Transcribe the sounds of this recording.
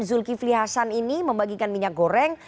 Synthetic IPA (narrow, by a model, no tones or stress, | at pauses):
zʊlkifliɦasaniniməmbaɡikanmiɲak̚ɡoɾɛŋ